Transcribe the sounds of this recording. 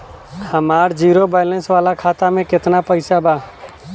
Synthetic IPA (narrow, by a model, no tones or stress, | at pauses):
kʰəmaːɾd͡ʒiːɾobaːɪlənsʋaːlakʰaːt̪amẽkɪt̪napəɪsabaː